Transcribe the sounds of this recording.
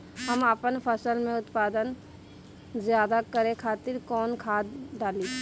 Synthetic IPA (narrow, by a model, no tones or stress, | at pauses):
ɦɐməpənpʰəsəlmẽʊt̪paːd̪ən | zjaːd̪akəɾẽkʰaːt̪ɪɾkɔːnkʰaːd̪ɖaːli